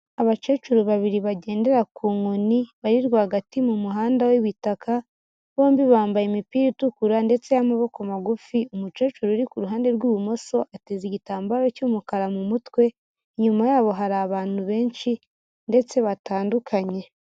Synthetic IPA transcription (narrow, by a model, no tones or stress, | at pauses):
aβat͡ʃe̞ːt͡ʃuɾuβaβiɾiβaɟe̞ːnde̞ɾakuːŋoniβaɾiɾɡaːɡatimumuɦaːndawiβitakʰa | βo̞ːmbiβaːmbajemipiːɾitukuɾande̞t͡se̞jamaβo̞kamaɡufiumut͡ʃe̞ːt͡ʃuɾuɾikuɾuɦaːnde̞ɾɡuːumo̞so̞ʔateziɟitaːmbaɾo̞cumukaɾamumutwe̞ | ɲumajaːβo̞ɦaɾaːβaːn̥huβe̞ːnt͡ʃi | nde̞t͡se̞βataːndukʰaɲe̞